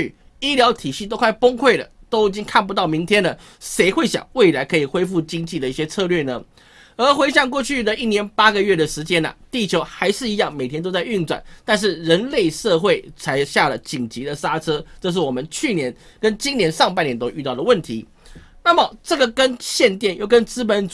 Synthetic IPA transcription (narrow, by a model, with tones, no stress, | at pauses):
y˥˩ | i˥ljɑ˧˥ʊt̪ʰi˨˩ɕi˥˩t̪o˥ʊkʰwa˥˩ɪpʊ˥ŋkʰwe˥˩ɪlə̰˩t̪o˥ʊi˨˩t͡ɕi˦˥ŋkʰa˥˩np̬u˧t̪ɑ˥˩ʊmi˧˥ŋt̪ʰjɛ˥nlə˨ | ʂe˧˥ɪxwe˥˩ɪɕjɑ̰˨˩ŋwe˥˩ɪla˧˥ɪkʰɤ˧˥i˨˩xwe˥ɪfu˥˩t͡ɕi˥ŋt͡ɕi˥˩d̪ə˩i˥˩ɕjɛ˥t͡sʰɤ˥˧lɥɛ˥˩nə˩ | ə˞˧˥xwe˥ɪɕja˥˧ŋkwɔ˥˧t͡ɕʰy˥˩d̪ə˨i˥˩njɛ˧˥npa˥ɡə˨ɥɛ˥˩d̪ə˩ʂɻ̩˧˥t͡ɕjɛ˥nɐ̰˨t̪i˥˩t͡ɕʰjo˧˥ʊxa˧˥ɪʂɻ̩˥˩i˧˥jɑ˥˩ŋme˨˩ɪt̪jnt̪o˥t͡sa˥˧ɪy˥˩nt͡swa̰˨˩nt̪a˥˧nʂ̬ɻ̩˥˩ɻə˧˦˥nle˥˩ɪʂɤ˥˧xwe˥˩ɪt͡sʰa˧˥ɪɕja˥˩lə˩t͡ɕi˨˩ŋt͡ɕi˧˥d̪ə˨sa˥ʈ͡ʂʰɤ˥ʈ͡ʂɤ˥˧ʂ̬ɻ̩˥˩wɔ˨˩mə˦nt͡ɕʰy˥˩njɛ˧˥nkə˦˥nt͡ɕi˥ŋnjɛ˧˥nʂɑ˥˧ŋp̬a˥˩njɛ˧˥nt̪o˥ʊy˥˧t̪ɑ˥˩ʊd̪ə˩wə˥˩nt̪ʰi˧˥˦ | na˥˩mə˩ʈ͡ʂɤ˥˩ɡə˨˩kə˦˥nɕjɛ˥˧nt̪jɛ˥˧njo˥˩kə˦˥nt͡sɹ̩˥pə˧˥n